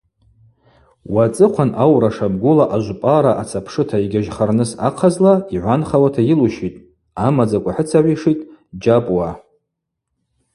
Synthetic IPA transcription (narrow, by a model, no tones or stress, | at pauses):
wat͡sʼɨqʷʰanʔawɾaʂab̚ɡʷʊlaʔaʒʷpʼaɾaʔat͡sʰapʰʂɨtʰaiɡʲaʒχarnɨsa̰qʰazlaiʕʷanχawatʰajiluʃitʼ | amad͡zakʷʼaħɨt͡sʰaʕʷiʂitʼd͡ʒapʼwa